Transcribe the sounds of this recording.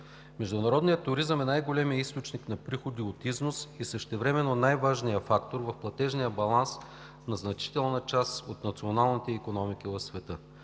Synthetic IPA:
mɛʒd̪ʊnɐɾɔd̪nijət̪ːʊɾizəmɛnajɡolʲɛmijəist̪ot͡ʃniknɐpɾixod̪iot̪iznʊsisəʃt̪ɛvɾɛmɛnonajvaʒnijəfakt̪oɾvɐfplˠɐt̪ɛʒnijəbɐlˠans | nɐznɐt͡ʃi̥t̪ɛlˠnət͡ʃast̪ot̪nɐt̪sionalˠnit̪ɛikonɔmikivɐfsvɛt̪ɤ

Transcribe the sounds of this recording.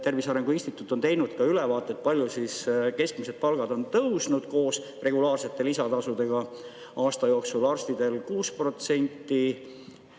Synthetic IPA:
t̪e̞rvisɑɾe̞ŋɡ̥uinst̪it̪ˑːut̪ːˑo̞nt̪e̞jnud̪̥kɑylevɑːt̪ːˑe̞t̪̚ˑpɑlʲjusiske̞skmise̞d̪̥̚pɑlɡ̥ɑd̪o̞nt̪ɤwsnud̪̥ko̞ːs | re̞ɡ̥ulɑːrse̞t̪ːˑe̞lisɑt̪ɑsud̪̥e̞ɡ̥ɑ | ɑːst̪ɑjo̞ːksulɑrst̪id̪̥e̞lkuːspro̞t̪se̞nʲt̪ːˑi

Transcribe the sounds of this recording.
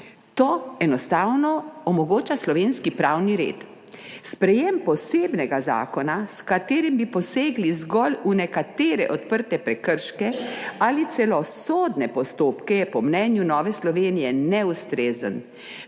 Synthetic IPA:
t̪oːɛnɔst̪awnɔɔmɔɡoːt͡ʃaslɔʋeːnskipɾaːwniɾḛːt̪ | spɾɛjempɔseːbnɛɡaza̰ːkɔnaskat̪eːɾimbipɔseːɡlizɡɔlunɛkat̪eːɾɛ̰ʔɔt̪pəɾt̪ɛpɾɛkəɾʃkɛalit̪sɛlɔsod̪nɛpɔst̪oːpkɛjɛpɔmnɛnjunɔːʋɛslɔʋeːnijɛnɛust̪ɾeːzən

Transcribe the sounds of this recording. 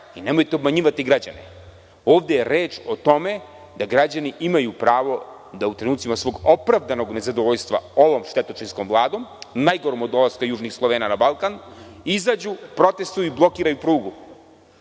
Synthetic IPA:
inemojt̪eobmaɲiːʋat̪iɡɾad͡ʑa̰nḛ | oːʋd̪ejeɾeːt͡ʃot̪o̞me̞ | d̪aɡɾad͡ʑaniimajupɾaːʋo̞ | d̪aut̪ɾenuːt̪simasʋo̞ɡo̞pɾaʋd̪anoɡne̞zad̪oʋoʎst̪ʋa̰o̞ʋo̞ːmʂt̪e̞t̪ot͡ʃinskomvlˠaːd̪o̞ːmnajɡoɾomod̪o̞laskajuːʒnixslˠoʋeːnanabalˠkan | izaːd͡ʑupɾo̞t̪e̞st̪ujuiblˠo̞kiːɾajupɾuːɡu

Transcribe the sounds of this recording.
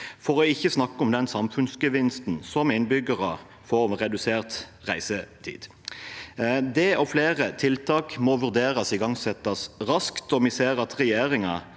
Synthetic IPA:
fɔʁɔɪçːəsnɑkːəɔmd̪ɛnsɑmfʉnsɡəʋɪnst̪n̩sɔmɪnbʏɡəʁɑ | fɔːmʁɛd̪ʉseːʁt̪ʁæ̰ɪsət̪ʰḭːd̪̥ | d̪ɛːʔɔfleːʁət̪ʰɪlt̪ʰɑːkmɔʋʉʁd̪eːʁɑsɪɡɑŋsɛt̪ːɑsʁɑskt̪ɔmɪseːʁɑt̪ʁɛjeːʁɪŋɑ

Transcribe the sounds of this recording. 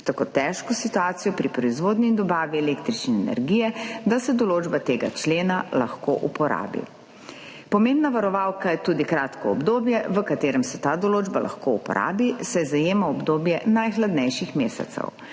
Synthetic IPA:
t̪akot̪ɛːʃkɔsit̪uaːt̪sijɔpɾipɾɔizʋoːd̪niːnd̪ɔbaːʋiɛleːkt̪ɾit͡ʃnɛɛnɛ̰ɾɡiːjɛd̪asɛd̪ɔloːd͡ʒbat̪eːɡa̰t͡ʃleːnalaxko̰ʔupɔɾa̰ːbḭ | pɔmembnaʋaɾɔʋaːwkajɛt̪uːd̪ikɾaːt̪kɔɔbd̪oːbjɛʋəkat̪eːɾɛmsɛt̪aːd̪ɔloːd͡ʒbalʔa̰xkoupɔ̰ɾa̰ːbisɛzajeːmaɔbd̪oːbjɛnajxlad̪nɛjʃixmeːsɛ̰t̪sɛ̰w

